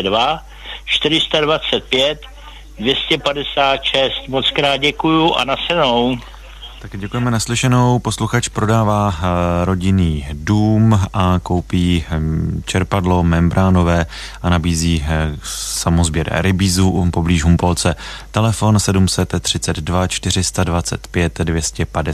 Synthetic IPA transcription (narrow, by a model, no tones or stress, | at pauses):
dva | t͡ʃt̪ɪɾɪst̪advat͡sɛt̪̚pjɛt̪ | dvjɛscɛpadɛsaːt̪ʃɛst̪mot͡skɾaːd̪̚ɟɛkujuʔa̰nasɛnow | t̪akɟɛkujɛmɛnaslɪʃɛno̞wpo̞sluxat͡ʃpɾo̞daːvaːɾo̞ɟɪniːduːmʔako̞wpiː | t͡ʃɛɾpadlo̞mɛmbɾʔaːno̞vɛː | ʔanabiːziː | samozbjɛɾ̰ɾɪbiːzupobliːʒɦumpolt͡sɛt̪ɛlɛfo̞nsɛdumsɛt̪ːr̝̥ɪt͡sɛd̪dvat͡ʃt̪ɪr̝ɪst̪advat͡sɛ̰t̪pjɛt̪dvjɛscɛpadɛ